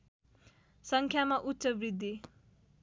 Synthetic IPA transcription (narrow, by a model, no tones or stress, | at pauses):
sʌŋkʰjamaʔutːsʌbrid̪ʱːi